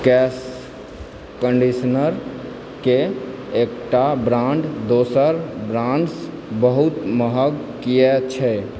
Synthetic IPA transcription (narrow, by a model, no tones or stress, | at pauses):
kɛs | kəɳɖisnəɾ | ke | ek̚ʈabɾãɳɖd̪osəɾbɾãɳɖs | bəɦut̪məɦəɡkijɛt͡ʃʰɛ